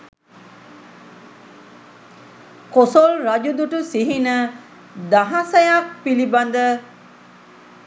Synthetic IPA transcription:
kosolɾɐd͡ʒud̪uʈusiɦinə | d̪aɦasɐjak̚piliband̪ə

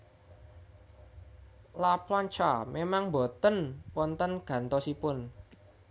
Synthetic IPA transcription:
laplɔɲt͡ʃamemaŋmbo̤t̪ənwɔnt̪ənɡ̥ä̤nt̪ɔsipʊn

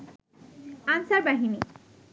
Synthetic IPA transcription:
ansaɾbaɦini

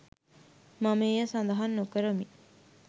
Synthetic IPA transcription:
mameːjəsand̪ɐɦanːokəɾomi

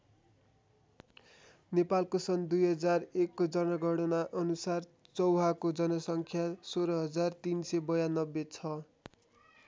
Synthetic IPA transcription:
nepalkosʌnd̪ujɦʌd͡zarekːod͡zʌnʌɡʱʌɽʌnaʔʌnusar | t͡sʌwɦakod͡zʌnʌsʌŋkʰjasoɾʌɦʌd͡zart̪insʌbʌjanʌbːet͡sʰʌ

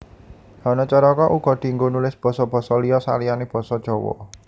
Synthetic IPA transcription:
hɔnɔt͡ʃɔɾɔkɔʔuɡ̥ɔ̤d̪̥i̤ŋɡonulɪsb̥ɔ̤sɔb̥ɔ̤sɔlijɔsa̰lijaneb̥ɔ̤sɔd̥ʒ̥ɔ̤wɔ̰

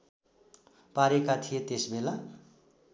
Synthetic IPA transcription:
paɾekat̪ʰijet̪esbela

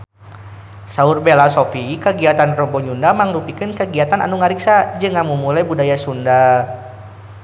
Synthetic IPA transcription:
saurbelasofikəɡiat̪anrɔbɔɲundamaŋɾupikənkəɡiat̪anʔa̰nuŋaɾiksad͡ʒɨŋamumulajbudajasunda

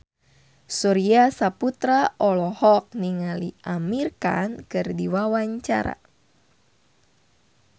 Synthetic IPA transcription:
suɾiasaput̪ɾaʔɔlɔhɔk̚niŋaliʔamirka̰nkɨrdiwawaɲt͡ʃa̰ɾa̰

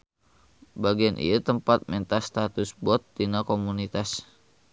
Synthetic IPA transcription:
baɡianʔḭat̪əmpat̪̚mɛnt̪ast̪at̪ʊsbɔt̪̚ːinakomunit̪as

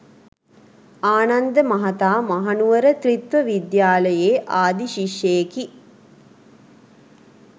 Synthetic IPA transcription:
aːnɐnd̪əmɐɦɐt̪aːmɐɦɐnuʋɐɾət̪rit̪ʋɐʋid̪jaːlɐjeːʔaːd̪iʃiʃjejeki

